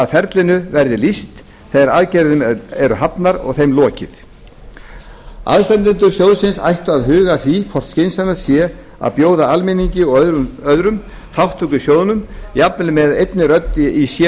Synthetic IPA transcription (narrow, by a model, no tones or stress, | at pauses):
aðfɛɾt̪lɪnʏvɛɾðɪlist̪ | θeðɾaðcɛɾðʏmɛɾʏɦapnaɾɔ̰ɣθejmlɔːcɪ̰θ | a̰ðst̪ɛnt̪ʏnt̪ʏɾ̥sjowðsɪnsa̰jht̪ʏaðɦʏːɣaθvifʰɔr̥t̪scejnsanasjɛ | a̰ðpjoːwðaalmɪniɲcɪɔœðɾʏm | θʰawht̪ʰukʏsjoːwðnʏmiap̚nlʏmɛðejt̪nɪɾœt̪ːisjɛ